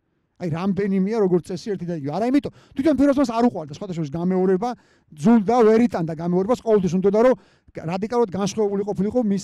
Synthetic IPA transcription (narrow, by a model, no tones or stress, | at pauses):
ajɾamd̪ɛnimiaɾɔɡɔɾt̪sʼɛsiɛɾt̪ʰid̪aiɡivɛaɾaimit̪ʼɔt̪ʰwit̪ʰɔnpʰiɾɔs̬mas̬aɾuqʼwaɾd̪asχwat̪ʰaʃɔɾisɡamɛɔɾɛba | d̪zulˠd̪avɛɾit̪ʼand̪aɡamɛɔɾɛbasqʼɔvɛlˠt̪ʰwis̬und̪ɔd̪aɾɔ | ɾad̪ikʼalˠuɾad̪̚ɡanʃχwɛvɛbuliqʼɔpʰiliqʼɔmis